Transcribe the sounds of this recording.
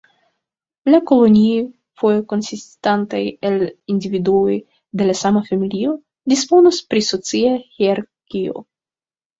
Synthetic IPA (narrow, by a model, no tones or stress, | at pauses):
lako̞lo̞ni | fojoko̞nsistantajelindividuo̞j | de̞lasamafamilio̞ | dispo̞nospɾiso̞t͡siahiaɾkio̞̰